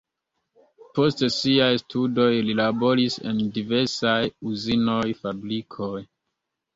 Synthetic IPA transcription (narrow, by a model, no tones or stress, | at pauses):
po̞stsiajstʰudo̞jlilabo̞ɾise̞̰ndive̞ɾsajuzino̞jfabɾikʰoj